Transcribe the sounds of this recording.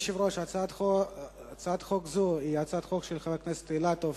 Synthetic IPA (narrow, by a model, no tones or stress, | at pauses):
ʃivɾoʃat͡s̪ | t͡sad̪χokzuiat͡sad̪χokʃelχavaknɛse̥t̪eilat̪ov